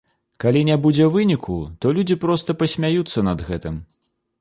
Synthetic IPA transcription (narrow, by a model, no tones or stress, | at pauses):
kalʲinʲɛbud͡zʲɛvɨnʲikʰut̪ɔlʲud͡zʲipɾɔst̪ɐpɐsʲmʲajut̪sːɐnɐd̪ɣɛt̪ɨm